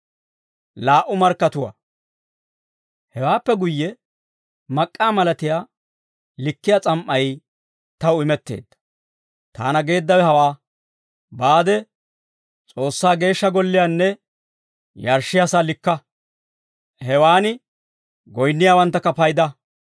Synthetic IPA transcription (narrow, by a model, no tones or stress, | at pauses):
laːʔʊmɐɾkːɐt̪ʊwa̰ː | hɛwaːpːɛɡʊjːɛ | mɐkʼːaːmɐlɐt̪ɪjaː | lɪkːɪjat͡sʼɐmʔːɐj | t̪ɐwʊɪmɛt̪ːe̞̰ːd̪ːɐ̥ | t̪a̰ːnɐɡe̞ːd̪ːɐwɛhɐwaː | baːd̪ɛ | t͡sʼo̞ːsːaːɡe̞ːʃːɐɡɔlːɪjaːnːɛ | jɐɾʃːɪjasaːlɪkːɐ | hɛwaːnɪ | ɡɔjnːɪjaːwɐnt̪ːɐkːɐpɐjd̪ɐ